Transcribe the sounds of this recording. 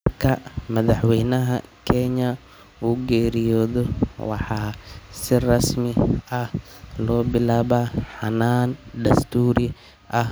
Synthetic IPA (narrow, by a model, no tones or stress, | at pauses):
kʰɐmɐðɑħwɛjnɐɦɐ̰kʰɛɲɐ | uːɡɛːɾɪjɔːðɔwɑ̰ħɑːsɪrɐsmɪɐh | lɔːbɪlaːβaħɑnaːnɖ̪ɐst̪ʰuːɾɪ | ʔɐh